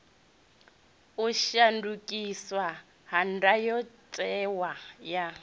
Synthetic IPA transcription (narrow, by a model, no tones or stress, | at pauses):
uʃandukʼiswa | ɦandajɔtʼɛwaja